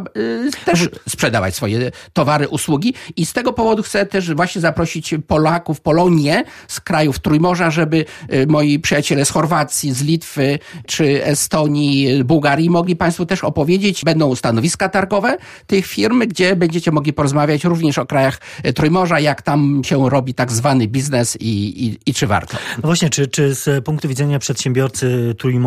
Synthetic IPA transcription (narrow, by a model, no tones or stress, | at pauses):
t̪ɛʂspʂɛd̪ava̰t͡ɕsfɔjɛt̪ɔvaɾɘʔuswuɡʲiist̪ɛɡɔpɔvɔd̪uxt̪sɛt̪ɛʂvwaɕɲɛzapɾɔɕit͡ɕpɔlakufpɔlɔɲjɛ | skɾajuft̪ɾujmɔʐaʐɛbɘmɔjipʂɨjat͡ɕɛlɛsxɔɾvat̪sʲjizlʲit̪fɘt͡ʂɘɛst̪ɔɲizbuwɡaɾʲjimɔɡlʲipãj̃st̪fɔt̪ɛʂɔpɔvʲjed͡ʑet͡ɕbɛnd̪ɔ̃w̃st̪anɔvʲiskat̪aɾɡɔvɛ | t̪ɘxfʲiɾmɡd͡ʑɛbɛɲd͡ʑet͡ɕɛmɔɡlʲipɔɾɔzmavʲjat͡ɕɾuvɲɛʂɔkɾajaxt̪ɾujmɔʐajakt̪amɕɛɾɔbʲit̪aɡzvanɘbʲiznɛsiiit͡ʂɘva̰ɾt̪ɔ̥nvwaɕɲɛt͡ʂɘt͡ʂɘspuŋkt̪uvʲid̪ɛɲapʂɛt̪ɕɛ̃mbʲjɔɾt̪sɘt̪ɾujm